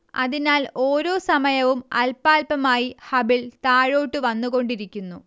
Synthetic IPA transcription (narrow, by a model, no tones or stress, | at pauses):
ɐ̰ðinaːlo̞ːɾo̞ːsɐmɐjɐʋumɐ̰lpːaːlpɐmaːjihɐbilt̪aːɻo̞ːʈːɨʋɐnːuɣo̞ɳɖiɾikʲːunːu